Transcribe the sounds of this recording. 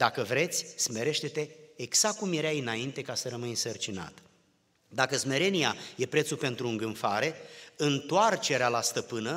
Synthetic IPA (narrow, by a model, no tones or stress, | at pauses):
d̪akəvɾe̞t̪sʲsme̞ɾe̞ʃt̪e̞t̪e̞ːɡz̥ak̚kːumjeɾajɨnaint̪e̞kasəɾəmɨjnsərt͡ʃina̰t̪ | d̪akəsme̞ɾe̞niaje̞pɾet̪supe̞nt̪ɾuɨŋɡɨnfaɾe̞ɨnt̪oart͡ʃe̞ɾealast̪əpɨnə